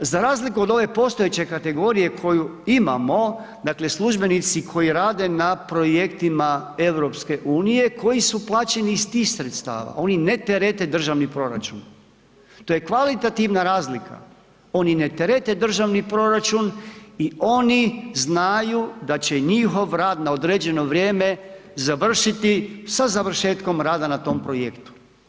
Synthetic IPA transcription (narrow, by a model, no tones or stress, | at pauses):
zaɾaːzlikuo̞d̪o̞ʋe̞po̞st̪o̞jet͡ɕe̞kat̪e̞ɡo̞ːɾije̞kʰo̞juima̰mo̞d̪akle̞slˠuʒbe̞nit̪sikʰo̞jiɾaːd̪e̞napɾo̞je̞kt̪imae̞ʋɾo̞pske̞ʔuːnije̞kʰo̞jisuplˠaːt͡ɕe̞nist̪iːxsɾet̪st̪a̰ːʋa̰o̞ninet̪eɾet̪e̞d̪r̩ʒaʋnipɾo̞ɾa̰t͡ʃun | t̪oːje̞kʋalit̪at̪iʋnaɾaːzlikʰa̰ | o̞nine̞t̪eɾet̪e̞d̪r̩ʒaʋnipɾo̞ɾat͡ʃunio̞niznajud̪at͡ɕe̞ɲixo̞ʋɾaːd̪naod̪ɾed͡ʑe̞no̞ʋɾjeːme̞zaʋr̩ʃit̪isazaʋr̩ʃeːt̪ko̞mɾaːd̪anat̪o̞mpɾo̞jekt̪u̥